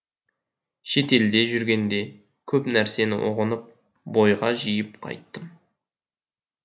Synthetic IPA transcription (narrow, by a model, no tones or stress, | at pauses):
ʃe̞t̪e̞ld̪e̞ʒʏɾɡʲe̞nd̪e̞ | kʲʰɵpnæɾse̞nɪ̰ʔo̰ʁənəp̚ | bo̞jʁɑʒijəpqʰɑ̰jt̪ːəm